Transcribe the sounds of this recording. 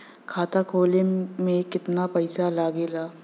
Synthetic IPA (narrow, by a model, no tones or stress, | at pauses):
kʰaːt̪akʰoːlemẽkɪt̪napɐɪsalaːɡeːlaː